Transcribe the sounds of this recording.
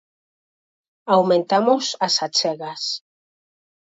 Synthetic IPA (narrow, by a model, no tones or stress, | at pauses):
awmẽnt̪amʊsasat͡ʃɛɣas